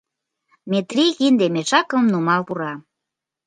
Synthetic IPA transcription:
met̪rʲiɣind̪emeʃɑkəmnumɑlpuɾɑ

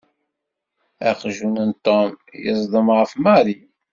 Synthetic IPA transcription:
æqʒunənt̪ːomjə̰zˤd̪ˤəmʁəfmɑɾi

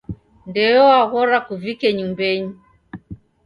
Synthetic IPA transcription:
ndɛjɔaɣɔɾakuvikɛɲumbɛɲi

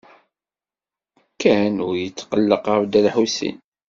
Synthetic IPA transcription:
kːænʊɾjət͡sːqəlːəqɾd̪ælħusḭn

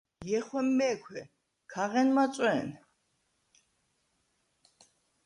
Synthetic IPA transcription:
jɛχwɛmːɛːkʰwɛ | kʰaʁɛnmat͡sʼwɛn

